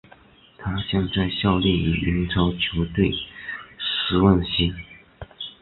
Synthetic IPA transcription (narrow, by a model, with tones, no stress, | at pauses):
t̪ʰa˥ɕjɑ˥˧ŋt͡sa˥˧ɪɕjɑ˥˧ʊljɛ˥˩i˨˩i˧˥nʈ͡ʂʰɑ˥ʊt͡ɕʰjo˧˥ʊt̪we˥˩ɪ | ʂɻ̩˧˥wa˥˩nɕi˥n